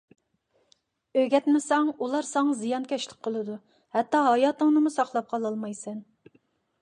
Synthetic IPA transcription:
øɡʲɛt̪mɪsɛŋulˠɑɾsɑŋɑzijɑnkʲʰɛʃlɪk̚ʲqʰːəlˠɨd̪u | hɛt̪ːɑɦɑjɑːt̪ɨŋnɨmusɑχlˠɑp̚qʰɑlˠɑlˠmɑjsɛn

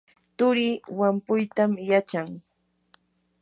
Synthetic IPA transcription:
t̪ʊɾɪwampʊjt̪amjat͡ʃaŋ

